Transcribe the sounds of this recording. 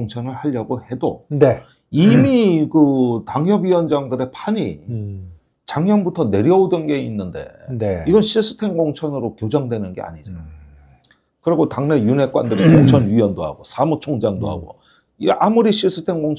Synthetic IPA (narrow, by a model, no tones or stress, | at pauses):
ŋt͡ɕʰʌnɯɭhaʎːʌɡohe̞do̰ne | imikɯtaŋjʌbɥiwʌnd͡ʑaŋdɯɾe̞pʰaɲi | t͡ɕaŋɲjʌnbutʰʌne̞ɾjʌodɯnɡe̞inːɯnde̞̰neiɡʌnɕʰiɭs͈ʰɯ̥tʰe̞ŋɡoŋt͡ɕʰʌnɯɾokjod͡ʑʌŋdwe̞nɯnɡe̞̰a̰ɲid͡ʑa | kɯɾiɡotaŋne̞june̞k͈wa̰ndɯɾikoŋt͡ɕʰʌnɥiwʌndoɦa̰ɡosʰamut͡ɕʰoŋd͡ʑaŋdo̰ɦa̰ɡo̰ | iamuɾiɕʰiɭs͈ɯ̥tʰe̞ŋɡoŋʰ